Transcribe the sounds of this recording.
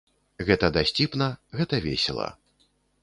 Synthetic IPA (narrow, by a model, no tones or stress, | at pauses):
ɣɛt̪ɐd̪asʲt͡sʲipnɐɣɛt̪ɐvʲḛsʲɛlˠɐ̰